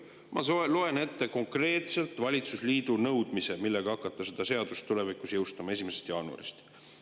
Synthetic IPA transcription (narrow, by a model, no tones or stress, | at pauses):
mʔɑ̰soeloe̞ne̞t̪ːe̞ko̞ŋkre̞ːt̪se̞lt̪ˑvɑlʲit̪susliːd̪̥unɤwd̪̥mise̞milːe̞ɡ̥ɑɑkːˑɑt̪ˑːɑse̞d̪̥ɑse̞ɑd̪̥ust̪ːule̞vikˑusjɤwst̪ɑmɑe̞s̬ʲimesest̪jɑːnuɑ̰ɾist̪